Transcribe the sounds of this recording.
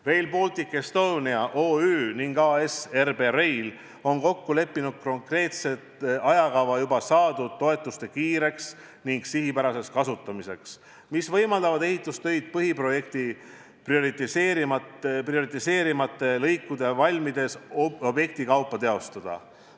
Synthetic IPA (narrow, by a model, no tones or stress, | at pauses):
re̞jlpo̞lt̪ikːˑe̞st̪o̞ːniɑʔo̞ːyːniŋɡ̥ɑːese̞rbe̞ɾe̞jl | o̞nko̞kːule̞pːinud̪̥̚ko̞ŋkre̞ːt̪se̞t̪ɑjɑkɑvɑjubɑsɑːd̪ut̪ːo̞e̞t̪ːˑust̪e̞kiːɾe̞ks | niŋɡ̥siɦipæɾɑse̞skɑsut̪ːˑɑmise̞ks | misvɤ̞jmɑld̪̥ɑvɑd̪e̞ɦit̪ˑːust̪ø̞jd̪̥̚pɤɦipro̞je̞k̚t̪i | prio̞ɾit̪ːˑiseːɾimɑt̪prio̞ɾit̪ːˑise̞ːɾimɑt̪ːˑe̞lɤjkːud̪e̞vɑlʲmid̪e̞so̞bje̞k̚t̪ikɑwpːˑɑt̪eo̞st̪ɑd̪̥ɑ̰